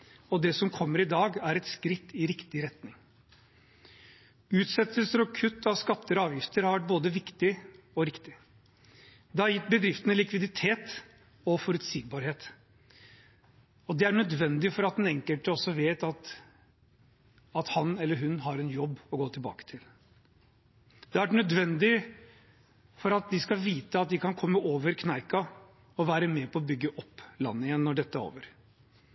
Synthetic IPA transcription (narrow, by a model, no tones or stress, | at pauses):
ɔd̪ɛsɔmkʰɔmːəɾɪd̪ɑːɡæɾɛt̪skɾɪt̪ːɪɾɪkt̪ɪɾɛt̪nɪŋ | ʉːt̪sɛt̪ʰːəlsəɾɔkʰʉt̪ʰːɑʋskɑt̪ːəɾɑːʋjɪft̪əɾhɑɾʋæʈ̚boːd̪əʋɪkt̪ɪɔɾɪkt̪ɪ | d̪ɛhɑɾjɪt̪̚ːbəd̪ɾɪft̪ənəlɪkʋɪd̪ɪt̪ʰeːt̪ | ɔfɔɾʉt̪siːɡ̚bɑːɾheːt̪ | ɔd̪ɛæɳœd̪ʋɛnd̪ɪfɔɾɑt̪̚d̪nɛŋkəlt̪əɔsːɔʋeːt̪ɑt̪ | ɑt̪hɑnɛlːəɾɦʉnɦɑɾɛnjɔbːɔɡoːt̪ʰɪlbɑ̰ːkə̥t̪ʰɪl | d̪ɛænœd̪ʋɛnd̪ɪ | fɔɾɑt̪̚d̪ɪskɑʋiːt̪əɑt̪̚d̪ɪkʰɑnkʰɔmːəʔoːʋəɾkʰnɑɪkɑ | ɔʋæːɾəmɛpʰɔɔbʏɡːəʔɔpːlɑ̰nːəɪjɛnːɔɖɛt̪ːəæɾo̰ːʋəɾ